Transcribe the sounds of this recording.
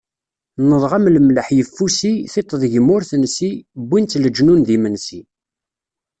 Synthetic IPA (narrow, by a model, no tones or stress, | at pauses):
nəðˤʁamləmləħjəfːusiθet̪ˤːəðˤʝəmːʊɾθənsibːint͡sːləd͡ʒnunðimənsi